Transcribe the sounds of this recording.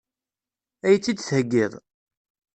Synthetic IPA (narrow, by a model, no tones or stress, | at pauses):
æjət͡sːid̪θhəɡːiðˤ